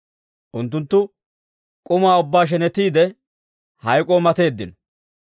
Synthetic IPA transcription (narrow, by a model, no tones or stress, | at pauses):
ʔʊnt̪̬ːʊnt̪ːʊ | kʼʊmaːʊbːaːʃ̬ɛnɛt̪ːiːd̪ɛ | hɐjkʼoːmɐt̪e̞ːd̪ːɪnɔ